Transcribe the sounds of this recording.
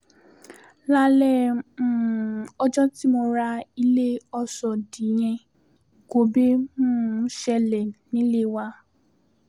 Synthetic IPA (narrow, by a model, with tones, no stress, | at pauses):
la˦lɛ̃˦ | ɔ˦d͡ʒɔ̃˦ti˦mo˧ɾa˧i˧le˦ɔ˧sɔ˨dĩ˨j̃ɛ̃˧ | ɡo˨be˦mũː˦ʃɛ˧lɛ˨nĩ˨˦le˦˨wa˧˦